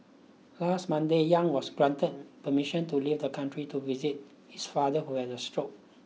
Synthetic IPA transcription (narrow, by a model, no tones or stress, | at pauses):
lastmãndejãŋwɔsɡɹãntəd̚pəmiʃə̃ntulivd̪əkãntɹituvizit̚ | hisfadəhuhɛdəstɹok̚